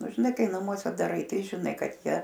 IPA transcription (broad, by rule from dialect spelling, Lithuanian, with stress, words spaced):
ˈnʊ ʒʲɪˈnɐɪ ˈkɐɪ nɐˈmuɔsʲɛ dɐˈrɐɪ ˈtɐɪ ʒʲɪˈnɐɪ ˈkɐt ˈjiɛ